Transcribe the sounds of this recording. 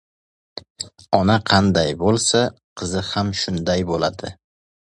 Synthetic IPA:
ɒnaqʰɑnd̪ajbolˠsa | qʰɨzɪhamʃʊnd̪ajbola̰d̪ɪ

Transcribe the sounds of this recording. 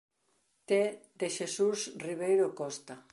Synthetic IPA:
t̪ed̪eʃesusriβ̞ejɾokɔst̪a

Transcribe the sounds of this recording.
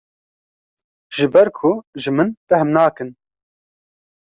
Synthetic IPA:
ʒ̥ɨbɛɾkʰʊʒɨmɨnb̥ɛhɨmnaːkɨn

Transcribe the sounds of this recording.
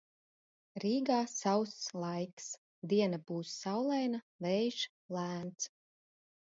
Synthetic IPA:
ɾiːɡaːsawsslˠajks | d̪iɛnab̥uːsːawlˠɛjna | vɛjʒ | lˠæːnt̪s

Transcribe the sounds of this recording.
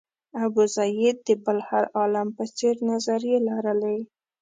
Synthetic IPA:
abuzajɪd̪̚d̪əbalhaɾɑlampət͡seɾnazaɾjelaɾəlai

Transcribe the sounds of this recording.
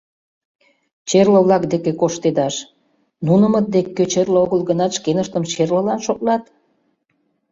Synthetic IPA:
t͡ɕerlə̆βlɑkd̪ekekoʃt̪ed̪ɑʃ | nunəmət̪̚d̪ekːøt͡ɕerləoɣəlɣənɑt̪ʃkenəʃt̪əmt͡ɕerlə̆lɑnʃoklɑt̪

